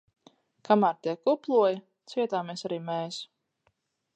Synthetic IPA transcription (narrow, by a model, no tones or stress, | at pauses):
kʰamaːɾt̪iɛkuplˠuɔji | t̪siɛt̪aːmesaɾiːmɛːs